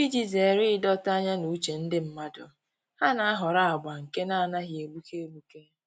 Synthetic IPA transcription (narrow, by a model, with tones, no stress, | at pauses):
bi˦d͡ʒi˨ze˨ɾɪ˦ɪ˦dɔ˦ta˦ɲa˦nu˨˦t͡ʃe˨n̩˦dɪ˦m̩˦ma˦dʊ˨ | ha˦na˨a˦ɦɔ˨ɾa˦a˨ɡ͡ba˨ŋ̩˨ke˦na˦a˨na˦ɦje˨bu˦ke˦e˦bu˦ke˦